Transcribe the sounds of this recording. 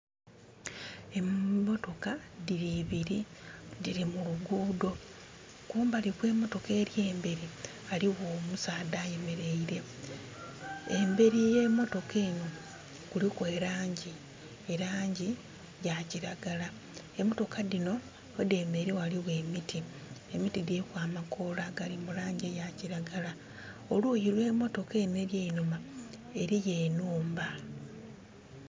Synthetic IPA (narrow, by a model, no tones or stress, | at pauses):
e̞mmo̞to̞kadiɾiβiɾidiɾimuluɡuːdo̞ | kuːmbalikwe̞ːmo̞to̞ke̞ːɾje̞ːmbe̞ɾi | aliwo̞ːmusaːdaːje̞me̞ɾe̞iɾe̞ | embe̞ɾije̞mo̞to̞keːno̞ | kulikwe̞ːɾaːɲɟi | eɾaːɲɟi | jaciɾaɡala | emo̞to̞kʰadino̞ | ede̞meɾewaliβwe̞ːmitʰi | emitidekwaːmakʰolaɡalimulaːɲɟejaciɾaɡala | olujilwe̞ːmo̞to̞ke̞ːne̞ɾjeinuma | e̞ɾije̞ːnuːmba